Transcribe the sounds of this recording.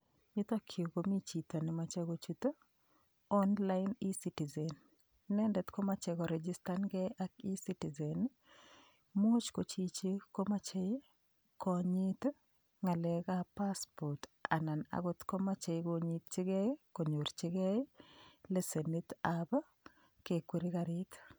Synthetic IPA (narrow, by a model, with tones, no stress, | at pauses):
ɲɪ˦t̪a˦kʰjo˨ɡo˨mi˦t͡ʃi˨t̪o˨nɪ˨ma˨t͡ʃe˦ɡo˦t͡ʃu˦t̪o˦ | ɔ˦nla˦ɪni˦siti˨zɛ˨nː | ɛ˦ndɛ˨t̪ko˦ma˦t͡ʃɛ˨kɔ˨ɾɛd͡ʒi˦sta˦nɡɛ˦jʔa˦ki˦si˦ti˨zɛ˨n | mu˦t͡ʃko˨t͡ʃi˦t͡ʃe˦ko˦ma˦t͡ʃe˦ | kɔ˨ɲi˦t̪ | ŋa˨lɛkapa˦spɔ˨ɾta̰˨na˨na̰˨ɡot̪kɔ˦mat͡ʃe˨jkoɲit̪t͡ʃi˦ɡɛ˦ko˨ɲo˨ɾt͡ʃɪ˦ɡɛ˦le˦se˨ni˦t̪aba˦ | ke˨kwe˦ɾi˦ka˨ɾit̪